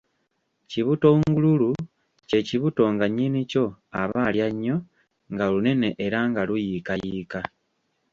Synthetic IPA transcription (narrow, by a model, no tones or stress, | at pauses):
ciβuto̞ŋɡululu | ce̞ciβuto̞ŋɡaɲiːnico̞aβaːljaɲːo̞ | ŋɡalune̞ne̞ʔeɾaŋɡalujikajiːka